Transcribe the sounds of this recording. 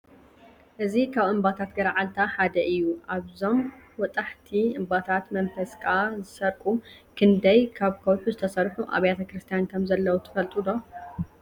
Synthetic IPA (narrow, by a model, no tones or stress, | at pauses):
ʔɨzikʰaβɨmbat̪ʰat̪ɡɐɾʕalt̪ʰaħad̪ɐʔɨjːuʔaβzo̞mwɔt̪ʼaħt̪ʰiɨmbat̪ʰat̪mɐnfɐskʼazɨsɐɾkʼukʰɨnd̪ɐjkʰaβkʰɐwħuzɨt̪ʰɐsɐɾħuʔa̰βjat̪ʰɐkɾɨst̪ʰijankʰɐmzɐlːɐwut̪ʰɨ̥fɐlt̪ʼud̪o̞